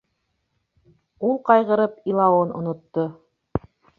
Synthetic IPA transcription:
ulˠqɑjʁɤ̆ɾɤpilˠɑwɤnŏ̰nŏt̪ːo

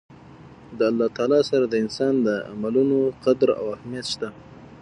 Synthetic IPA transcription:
d̪əalːɑt̪ɑːlɑsaɾad̪əɪnsɑnd̪əa̰malunoqad̪ɾa̰wahmijat̪ʃt̪a

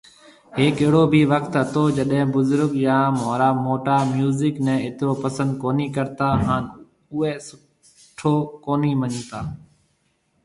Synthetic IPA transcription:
ɦeːkəɦɽoːbʱiːʋəkt̪ɦət̪oːd͡ʒəɗɦɪ̃ːbʊzʊɾɠjãːmaːɾaːmoːʈaːmjuːzɪknɛ̃ːɪt̪ɾoːpəsə̃nd̪̚koːniːkəɾt̪aːɦaːn | ʊeːsʊ | ʈʰoːkoːniːməɲt̪aː

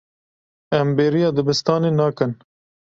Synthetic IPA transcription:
ɛmbeːɾijɑːd̪ɨbɨst̪ɑːneːnɑːkɨn

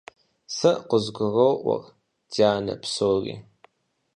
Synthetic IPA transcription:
sɐʔqʷəzɡʷʊrowʔʷɐ̰r | daːnɐ̰psoːrḭː

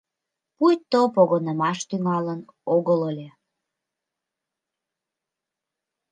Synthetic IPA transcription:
pujt̪opoɣonəmɑʃt̪yŋɑlənoɣələlʲe

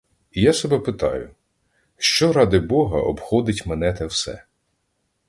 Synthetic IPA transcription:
ijasɔbɛpɪt̪ɑ̰jʊ̰ | ʃt͡ʃɔɾɑd̪ɪbɔɦɐʔɔbxɔd̪ɪtʲmenɛt̪ɛwsɛ̰

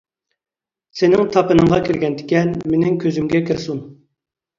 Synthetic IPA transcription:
sɪnɪŋt̪ʰɑpɨnɨŋʁɑkʲʰiɾɡʲɛnd̪ɪkʲɛnmenɪŋkʲʰøzymɡʲɛkʰʲɪɾsun

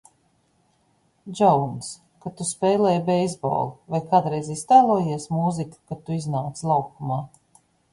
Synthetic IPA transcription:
d͡ʒɔwns | kat̪uspɛjlˠɛjbɛjzbo̰ːlˠuvajkaːd̪ɾɛjzist̪aːlˠuːjiɛsmuziku̥kat̪uiznaːt̪slˠawkumaː

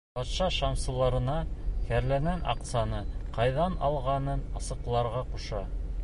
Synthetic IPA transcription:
bɑt̪ʃɑʃɑmsɤ̆lˠɑɾɤ̆nɑhæɾlæŋænʔɑ̰qt̪sɑnɤqɑjðɑnɑ̰lˠʁɑnɤnɑsɤ̆qlˠɑɾʁɑquʃɑ

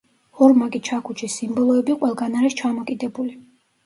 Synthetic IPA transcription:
ɔɾmakʼit͡ʃʰakʰut͡ʃʰisimbɔlˠɔɛbiqʼwɛlˠɡanaɾist͡ʃʰamɔkʼid̪ɛbuli

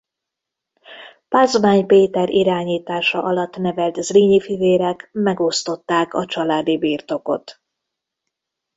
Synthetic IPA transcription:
paːzmaːɲpeːt̪ɛɾʔiɾaːɲiːt̪aːʃɒ̰ʔɒlɒt̪ːnɛvɛlt̪zriːɲifiveːɾɛkmɛɡo̞st̪o̞t̪ːaːkɒt͡ʃɒlaːd̪ibiːrt̪o̞ko̞̰t̪

